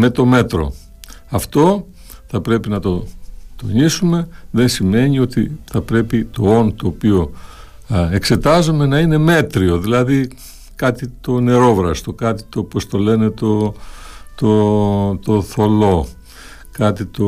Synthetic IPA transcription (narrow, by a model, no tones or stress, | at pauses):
me̞t̪o̞me̞t̪ɾo̞̰ | ɐft̪o̞ | θɐpɾe̞pinɐt̪o̞t̪o̞ɲisume̞ðe̞nsime̞ɲio̞t̪iθɐpɾe̞pit̪o̞o̞nt̪oːpio | e̞kse̞t̪ɐzome̞nɐine̞me̞t̪ɾio̞ðilɐði | kɐt̪it̪o̞ne̞ɾo̞vɾɐst̪o̞kɐt̪i̥t̪opost̪o̞le̞ne̞t̪o̞ | t̪ot̪o̞θo̞lo̞ | kɐt̪it̪o